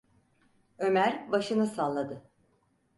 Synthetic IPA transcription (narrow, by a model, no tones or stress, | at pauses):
ø̞mæɾbaʃɯnɯsanlˠad̪ɯ